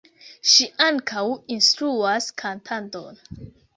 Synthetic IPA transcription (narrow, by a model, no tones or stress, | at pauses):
ʃiʔaŋkʰawinstɾuaskʰantʰanto̞̰n